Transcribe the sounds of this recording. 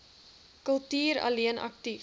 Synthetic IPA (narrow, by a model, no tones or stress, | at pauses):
kəlˠtiːɾɐ̰liənʔɐ̰kti